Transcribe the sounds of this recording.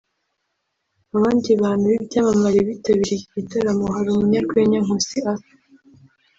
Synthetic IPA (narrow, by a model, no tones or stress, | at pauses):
aβaːndiβaːnhuβibɟaːmamaɾeβitaβiɾeiɟitaɾamoɦaɾomuɲakweɲaŋosiat